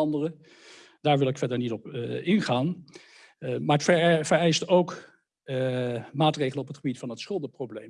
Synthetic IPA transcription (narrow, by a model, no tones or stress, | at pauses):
ɑndərə | d̥aːɹʋɪlˠɪkfɛɹdəɹnitɔpɪnχaːn | maːɹətfvəɹɛjstowk | maːtrejχələnɔpətχəbitfɑnətsχɵlˠdəprowblejm